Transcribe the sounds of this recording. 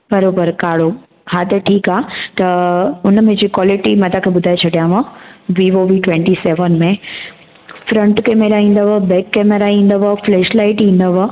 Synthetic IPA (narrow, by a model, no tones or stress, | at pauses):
bɐɾoːbəɾkaːɽo | hat̪ɐʈʰiːkaːt̪ɐʊnəmẽd͡ʑiːkwaːlɪʈimɐ̃t̪ʰakʰeːbʊd̪ʱaːet͡ɕʰɐɽijãʋãʋiːʋoːʋiʈʋẽːɳʈiseːʋənmẽ | fɾɐ̃ɳʈkeːmeɾaĩːn̆d̪əʋəbɛːkːeːmeɾaĩːn̆d̪əʋəfleːʃlaːɪʈĩːn̆d̪əʋ